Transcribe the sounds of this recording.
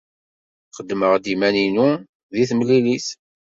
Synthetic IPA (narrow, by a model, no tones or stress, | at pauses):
qəd̪ːməʁd̪imæninu | ðiθməlːiliθ